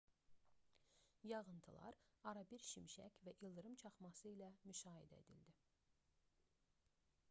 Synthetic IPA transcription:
jɑʁɯnt̪ʰɯlˠɑ̰ɾɑɾɑbiɾʃimʃæ̰cvæʔilˠd̪ɯɾɯmt͡ʃʰɑχmɑsɯilæmyʃɑːɦḭd̪æed̪ild̪i

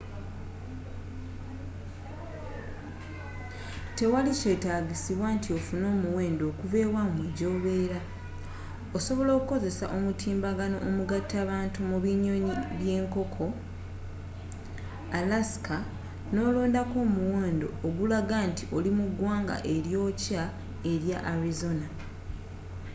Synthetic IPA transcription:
te̞walice̞ːtaːɡisiβwaːntio̞funo̞ːmuwe̞ːndo̞ːkuve̞ːβwamweɟo̞βe̞ːɾa | oso̞βo̞lo̞ːkuko̞ze̞sa̰ʔo̞mutʰiːmbaɡano̞ʔomuɡatːaːβaːntumuβiɲo̞ɲiβje̞ːŋko̞kʰo̞ | alasi̥kʰa | no̞ːloːndako̞ːmuweːndo̞̰ːɡulaɡantiʔo̞limuɡwaːŋɡa̰ʔe̞ɾjo̞ːca | e̞ɾjaʔaɾizo̞na

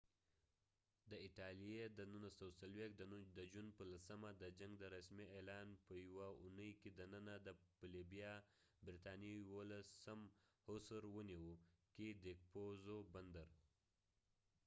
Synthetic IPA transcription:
d̪əɪʈɑlijed̪ənunasawsalwek̪̚d̪əd̪əd͡ʒunpəlasəmad̪əd͡ʒaŋɡd̪əɾasmiʔelɑnpəjwaunəjked̪ənənad̪əpəlibijɑ | bɾit̪ɑnijwolasəmhʊsəɾwəniwuked̪ek̚pozoband̪əɾ

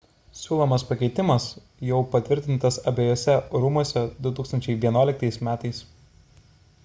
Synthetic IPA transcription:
sʲuːlˠomɐspɐkʲɛɪt̪ʲɪmɐs | jɛʊpɐt̪ʲʋʲɪɾʲt̪ʲɪnt̪ɐsɐbʲeːjoːsʲɛɾumuɔsʲɛd̪ʊt̪uːkst̪ɐnʲt͡ʃʲɛɪʋʲiɛnuɔlʲɪkt̪ɐɪsmʲæːt̪ɐɪs

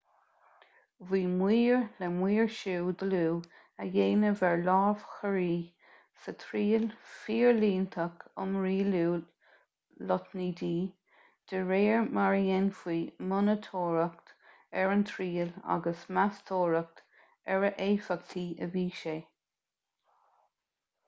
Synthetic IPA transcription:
viːmwiːɹlɛmwiːɹʃuːd̪əluː | əjeːnəvɛɹlɑːv̥xəɹiː | sət̪ʰɾiːəlfiːɹliːnt̪ʰəkʊmɹiːluː | lɔt̪niːd̪iː | d̪̥əɹeːɹmaɹiɛnfwiːmʊnət̪ʰoːɹək̚t̪ | ɛɹənt̪ʰɹiːla̰ɡəsmast̪ʰoːɹək̚t̪ | ɛɹəʔeːfək̚t̪ʰiːəviːʃeː

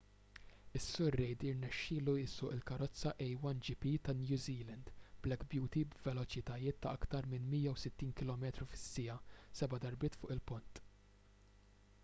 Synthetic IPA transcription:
ɪsːʊɾːɛjd̪iɾnɛʃːɪːluɪsːʊːʔɪlkɐɾɔt͡sːɐʔɛjwɐnd͡ʒipit̪ɐnjuːziːlɛnd̪blɛkbjuːt̪ibvɛlɔt͡ʃɪt̪ɐjɪːt̪ːɐɐkt̪ɐɾmɪnmijɐwsɪt̪ːiːnkɪlɔːmɛːt̪ɾufɪ̥sːɪjɐsɛbɐd̪ɐɾbɪːt̪fʊːʔɪlpʊnt̪

